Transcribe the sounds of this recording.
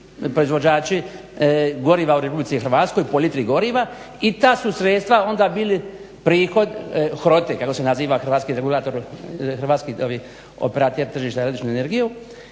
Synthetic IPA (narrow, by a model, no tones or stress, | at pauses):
pɾo̞izʋod͡ʑaːt͡ʃi | ɡo̞ɾiʋauɾepublit̪sixrɾʋaːt̪sko̞jpolit̪ɾiɡo̞ɾiʋa | it̪aːsusɾet̪st̪ʋao̞nd̪abiːli | pɾiːxo̞d̪xɾo̞t̪ekako̞senaziːʋaxɾʋaːt̪skiɾeɡulˠaːt̪o̞ɾxr̩ʋaːt̪skioʋi | o̰peɾat̪eɾt̪r̩ʒiːʃt̪aɾad̪it͡ʃnuene̞ɾɡiju